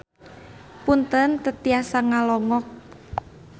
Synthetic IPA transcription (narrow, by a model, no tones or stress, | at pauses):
punt̪ənt̪ət̪iasaŋalɔŋɔk̚